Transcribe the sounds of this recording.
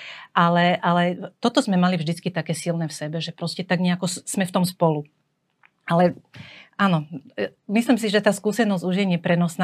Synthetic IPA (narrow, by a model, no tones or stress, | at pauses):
ʔalɛʔalɛt̪ɔt̪ɔzmɛmalivʒd̪it͡skit̪akɛːsilnɛːfsɛbɛʒɛpɾɔscɛt̪aɡɲɛakɔz̥mɛft̪ɔmspɔlu | ʔalɛʔanɔmisliːmsiʒɛt̪aːskuːsɛnɔzɟuʒiɛɲɛpɾɛnɔsna